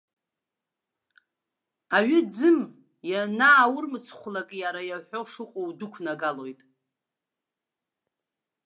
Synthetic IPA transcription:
aɥɪd͡zɨm | janaːwʊrmɨt͡sʰχʷlakʼjaɾajaħʷᶣo̞ʂɨqʷʼowdʊkʷʰnaɡalo̞jtʼ

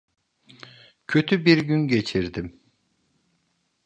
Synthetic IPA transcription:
cʰøt̪ʰybiɾɟynɟe̞t͡ʃʰiɾd̪im

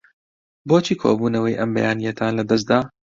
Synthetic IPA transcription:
boːt͡ʃʰiːkʰo̰buːnɐwɐjʔɐmbɐjaːnijɐt̪ʰaːnlɐd̪ɐs̬̚d̪aː

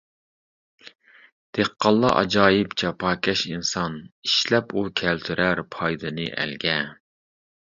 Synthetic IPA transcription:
d̪̥eqːɑlˠːɑ̰ʔɑ̰d͡ʒɑːjɪpt͡ʃʰɑpʰɑːkʲʰɛʃinsɑniʃlɛpukʲʰɛlt̪ʰyɾʔæɾpʰɑjd̪ɨnɨʔæ̰lɡʲɛ

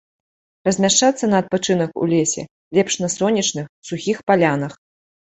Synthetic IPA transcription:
rɐzʲmʲaʂt͡ʂat̪sːɐnɐːt̪̚pat͡ʂɨn̪ɐkṵlʲɛsʲɛ̰ | lʲɛpʂnɐsɔnʲit͡ʂnɨxsuxʲixpalʲanɐx

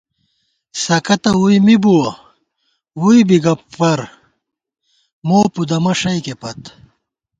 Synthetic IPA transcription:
sɐkɐt̪ɐuimibuwɐ | wuibiɡɐɐɾ | moːpud̪ɐmɐʂɐikepɐt̪

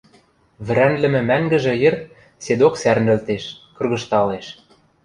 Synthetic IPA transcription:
βɘ̆ɾænlɘ̆mɘ̆mæŋɡɘ̆ʒɘ̆jĕr | sed̪oksærnɘ̆lt̪eʃkɤ̆rɣɤ̆ʃt̪ɑleʃ

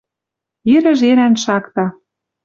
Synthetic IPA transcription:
iɾə̆ʒeɾænʃɑkt̪ɑ

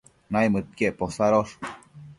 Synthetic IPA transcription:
najmət̪̚keʔposaɾoʂ

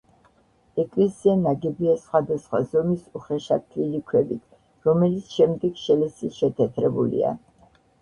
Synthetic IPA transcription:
ɛkʼlɛsianaɡɛbiasχwad̪asχwa̰zɔmisuχɛʃat̪ʰlilikʰwɛbit̪ʰ | ɾɔmɛlit̪sʰʃɛmd̪ɛɡ̥ʃɛlɛsiʃɛt̪ʰɛt̪ʰɾɛbṵlḭa̰

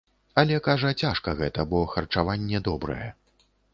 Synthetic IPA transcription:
ɐlʲɛkaʐɐt͡sʲaʂkɐɣɛt̪ɐbɔxɐrt͡ʂavanʲːɛd̪ɔbɾɐ̰jɛ̰

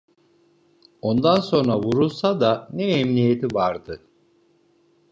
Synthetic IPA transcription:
o̞nd̪anso̞nɾavuɾulˠsad̪anɛɛmnijet̪ʰivaɾd̪ɯ

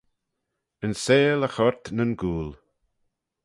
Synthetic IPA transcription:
ənseːləxɔɹt̪nənɡuːl

